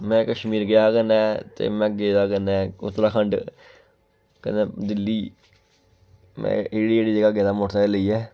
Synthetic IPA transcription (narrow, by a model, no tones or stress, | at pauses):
mɛ̃ːkəʃmiːɾɡɪjaːkənɛːt̪ḛːmɛ̃ːɡeːd̪aːkənɛ̃ːʊ̰t̪ːɾaːkʰəɳɖ | kə̰ned̪ɪlːiː | mɛ̰̃eːɽiːeːɽiːd͡ʒəɡaːɡeːd̪aːmoʈt̪aeləiːɛː